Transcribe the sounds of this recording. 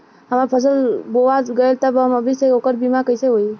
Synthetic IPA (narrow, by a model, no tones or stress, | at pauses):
ɦəmaɾpʰəsəlboʋaɡəelt̪əbɦəməbʱiseokəɾbimakəjseɦoi